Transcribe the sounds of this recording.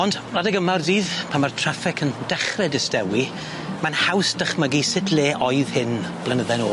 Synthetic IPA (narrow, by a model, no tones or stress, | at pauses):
ɔnd | radəɡəmardiːðpʰamartʰr̥afɪkʰənd̥ɛχrɛdɪstɛwi | manhawsd̥əχməɡisɪtʰleːʔɔjð̥hɪnb̥lˠənəðɛnoː